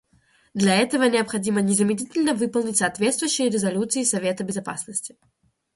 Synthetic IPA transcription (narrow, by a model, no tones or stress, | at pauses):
d̪lʲɐɛt̪əvənʲɪɐpxɐdʲimənʲɪzəmʲɪdʲitʲɪlʲnəvɨpəlˠnʲɪtʲsɐːt̪vʲe̞t̪st̪vʊjʉɕːɪjəɾʲɪzɐlʲut̪sɨɪsɐvʲe̞t̪əbʲɪzɐpasnəsʲtʲɪ̥